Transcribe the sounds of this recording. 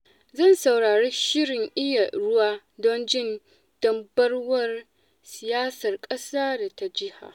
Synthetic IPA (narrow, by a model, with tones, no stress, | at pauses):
zɐ˦˨nsa˨wɽaː˨ɽeː˦ʃɪ˦ɽɪ˨ŋʔɪ˦ja˨ɽʊ˦waː˦ | dɔ˦nd͡ʒɪ˦˨n | d̥ɐ˦mbɐ˦rwɐ˦r | sɪ˨jaː˦sɐ˨rkʼɐ˦saː˦da˨ta˦d͡ʒɪ˦ha̰ː˨